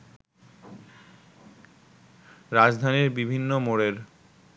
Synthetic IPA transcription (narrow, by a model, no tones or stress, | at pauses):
ɾad͡ʑd̪ʱaniɾbibʱinːomoɽeɾ